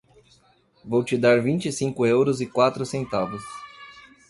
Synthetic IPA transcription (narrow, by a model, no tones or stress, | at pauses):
vowt͡ʃɪd̪aɾvĩnt͡ʃɪsĩŋkʊewɾʊzɪkwat̪ɾʊsẽnt̪avʊs